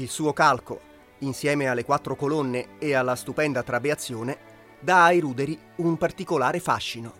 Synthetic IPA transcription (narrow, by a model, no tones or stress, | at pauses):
ilsuːokalko̰ | insjɛːmealːekwat̪ːɾokolonːeːalːast̪upɛnd̪at̪ɾabeat̪sːjoːne | d̪aːjɾuːd̪eɾi | umpart̪ikolaːɾefa̰ʃːino